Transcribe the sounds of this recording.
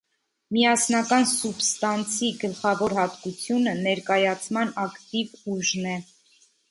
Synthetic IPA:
miɑsnɑkɑnsubst̪ɑnt͡sʰiɡəlχɑvɔɾhɑt̪kut͡sʰjunənɛɾkɑjɑt͡sʰmɑnɑkt̪ivuʒnɛ

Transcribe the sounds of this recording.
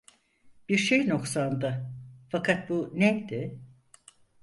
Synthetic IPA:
b̥iɾʃejno̞ksand̪ɯfakʰat̪̚bunɛmd̪ɪ

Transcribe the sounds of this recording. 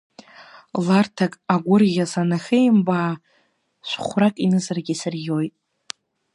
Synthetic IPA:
lartʰakʼaɡʷʊrɣʲasanaχʲejmbaː | sʷχʷrakʼinɨzarɡʲisɨrjo̞jtʼ

